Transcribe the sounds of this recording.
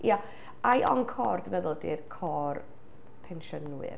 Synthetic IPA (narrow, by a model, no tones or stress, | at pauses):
ja | ajʔɔnkʰɔːrd̥mɛðʊlˠdirkʰɔːr | pʰɛnʃɔnwɨ̰r